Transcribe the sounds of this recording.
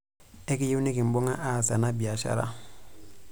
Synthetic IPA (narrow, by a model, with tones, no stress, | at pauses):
ɛ˦ki˦ji˦ni˦ki˨m̩˨bɔ˦ŋa˦ʔa˦˨sa˨na˦bi˨a˨ʃa̰˦ɾa̰˦